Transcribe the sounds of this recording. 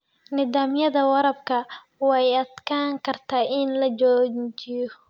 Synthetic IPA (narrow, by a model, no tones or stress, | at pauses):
nɪðaːmjɐðɐwɐɾɐbkʰɐ | wɛjɐd̪kʰaːŋkʰɐrt̪ʰaːʔɪnlɐt͡ʃɔːt͡ʃɪjɔ